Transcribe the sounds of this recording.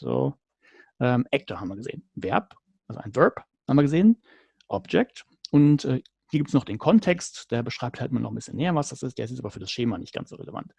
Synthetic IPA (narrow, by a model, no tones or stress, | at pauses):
zo̰ː | ʔɛːmʔɛk̚tʰɐhaːbm̩viɐɡəzḛːənvɛɐp | ʔalzo̰ʔaɪnvɜp | habmviɐɡəzeːən | ʔɔbd͡ʒɛk̚t | ʔʊntʔɛː | hiəɡiptəsnɔχd̥eːnkʰɔntʰɛkstd̥eːɐbəʃʁ̥aɪp̚tʰhaltʔɪmɐnʔɔχm̩bɪsçə̰nːmeːɐvasd̥asʔɪstd̥eːɐɪs̬ɛtʔaːbɐfyːɐdasʃeːmanɪ̰çt̚ɡ̥a̰nsz̥oːʁḛləva̰nt